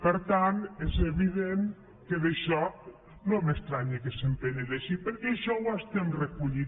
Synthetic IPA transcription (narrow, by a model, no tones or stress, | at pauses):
pəɾt̪anezeβiðen | keðeʃɔ | nomest̪ɾaɲekesempeɲeðeʃipəɾkɛːʃɔwast̪emrekuʎi